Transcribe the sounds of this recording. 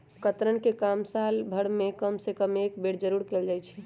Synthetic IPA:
kət̪ɾənkekamsalbʱəɽmekəmsekəmekbeɽd͡ʒəɾuɾkeld͡ʒajt͡ʃʰɛ

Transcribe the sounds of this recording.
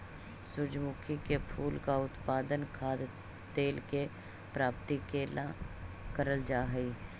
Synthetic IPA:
sʊd͡ʒmʊkʰikepʰuːlkaʊt̪paːd̪ənkʰaːd̪ | t̪eːlke | pɾaːpt̪ikeːlakəɾəld͡ʒaːɦəiː

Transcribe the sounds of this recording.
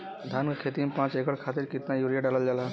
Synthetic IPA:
d̪ʱankekʰet̪imepãt͡ʃekəɽkʰat̪iɾkit̪najuɾijaɖaləld͡ʒalɦɛ

